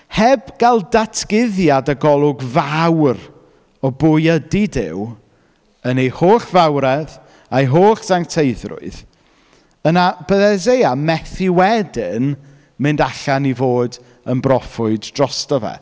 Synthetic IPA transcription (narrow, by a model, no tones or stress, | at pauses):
hɛbɡ̥alˠdatʰɡ̥ɪðjadəɡɔlˠʊɡvawr | ɔbʊjədidɪ̰w | ənejhoːχvawɾɛð | ajɦoːχsaŋtʰejðrʊ̰ɨð | ənab̥əðɛzejamɛθɪwɛdɪn | mɨndaɬanivoːd | ənbrɔfʊɨdd̥rɔstɔvɛ̰